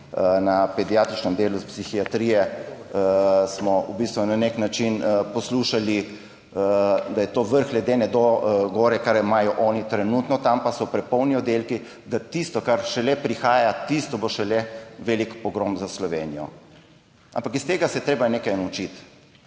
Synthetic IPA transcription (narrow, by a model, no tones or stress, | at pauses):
nɐpɛd̪ijaːt̪ɾit͡ʃnɛmd̪eːluspsixiat̪ɾijɛ | smɔubist̪ʋunaneknat͡ʃinpɔsluːʃali | d̪ajɛt̪oːʋəɾxlɛd̪eːnɛd̪oɡɔːɾɛkaɾimaːjɔʔɔːnit̪ɾɛnuːt̪nɔt̪ampasɔpɾɛpɔwniɔd̪elki | d̪at̪ist̪ɔkaɾʃɛlɛpɾixaːjat̪ist̪ɔboʃɛlɛʋeːlikpɔɡɾomzaslɔʋeːnijɔ̰ | a̰mpakist̪eːɡasɛjt̪ɾeːbajneːkajnɐut͡ʃit̪